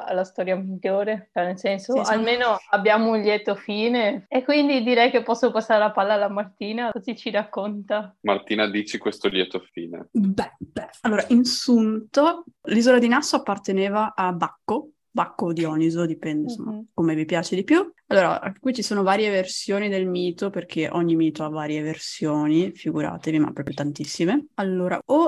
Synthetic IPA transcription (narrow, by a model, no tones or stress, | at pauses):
a̰last̪ɔɾjamiʎːoːɾet͡ʃɛnelsɛnsoalmeːnoabːjaːmounljɛt̪ofiːneekːwind̪id̪iɾɛjkepːɔsːopasːaɾelapalːalamart̪iːnakozit͡ʃiɾakːont̪amart̪iːnad̪iːt͡ʃikwest̪oljɛt̪ofiːnḛbɛb̥ɛalːoːɾaʔinsunt̪olizolad̪inasoapːart̪eneːvaʔabːakːo | bakːod̪iɔnizod̪ipɛnd̪ensomːakomevipjaːt͡ʃed̪ipjualːoːɾa̰kwit͡ʃisoːnovaːɾjeversjoːnid̪elmiːt̪operkʰeʔɔɲːimiːt̪oavaːɾjeversjoːnifiɡuɾa̰ːt̪evima̰pːɾɔpɾjot̪ant̪isːimealːoːɾa̰ʔo